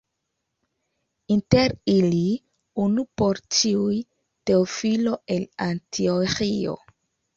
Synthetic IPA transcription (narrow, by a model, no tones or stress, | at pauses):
inteɾili | unupo̞ɾt͡ʃiuj | te̞ofilo̞ʔe̞lantʰioxio̞̰